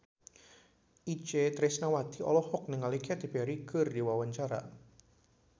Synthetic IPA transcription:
ʔit͡ʃet̪ɾɪsnawad̪̥i̤ɔ̰lɔhɔk̚nɪŋːalikead̪̥i̤b̥eaɾiɡ̥ərdiwawaɲt͡ʃaɾa̰

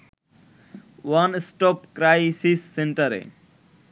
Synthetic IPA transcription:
wansʈɔpkɾajsisːeɳʈəɾḛ

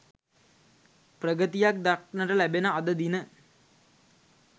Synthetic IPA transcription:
prəɡət̪ijak̚d̪aknəʈəlæbenəad̪əd̪inə

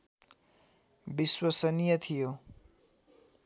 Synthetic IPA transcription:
biswʌsʌnijʌt̪ʰijo

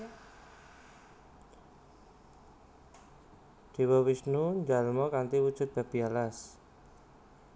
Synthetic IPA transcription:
d͡ʒ̥iwɔwisnuɲd͡ʒalmɔkant̪iwud̥ʒ̥ʊ̤t̪̚b̥a̤b̥ialas

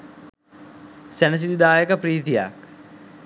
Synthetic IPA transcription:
sænəs̬id̪id̪aːjəkəpɾiːt̪ija̰k̚

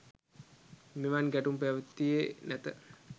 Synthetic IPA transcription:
meʋanɡæʈumpæʋət̪ːijenæt̪ə

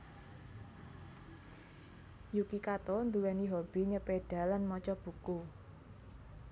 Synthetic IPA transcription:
jukikat̪ond̪uwɛniɦob̥i̤ɲəpeɖ̥a̤lanmɔt͡ʃɔb̥ṳku

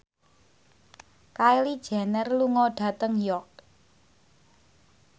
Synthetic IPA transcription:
kaelid̥ʒ̥a̤nərluŋɔɖ̥a̤t̪əŋjɔk̚

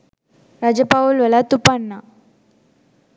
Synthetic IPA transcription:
ɾad͡ʑəpaulʋəlat̪upaɳːa

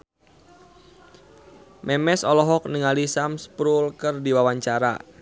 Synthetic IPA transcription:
mʔɛmɛsɔlɔɦɔk̚niŋalisamspɾulkərdiwawaɲt͡ʃaɾa̰

